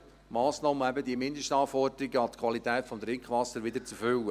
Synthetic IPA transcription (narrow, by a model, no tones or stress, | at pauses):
mɑːsnɑːməɛbəd̪iəmɪnd̪əʃtɑːfɔrd̪əɾiɡəɑt̪kʰʋɑlit̪ɛːtfɔmd̪ɾɪŋkχʋɑsːəɾʋɪd̪əɾt͡sufʏlːə